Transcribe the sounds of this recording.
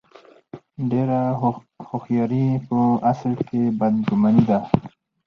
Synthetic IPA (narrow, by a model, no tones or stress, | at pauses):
ɖeɾa | hoxjɑːɾipoɐslkebɐd̪ɡumanid̪a